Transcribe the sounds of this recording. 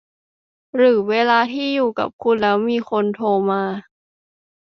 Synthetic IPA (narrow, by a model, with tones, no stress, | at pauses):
ɾɯː˩˦weː˧laː˧t̪ʰiː˥˩juː˨˩ka̰˨˩p̚kʰu˧nlɛː˦˥wmiː˧xʰo˧nt̪ʰoː˧maː˧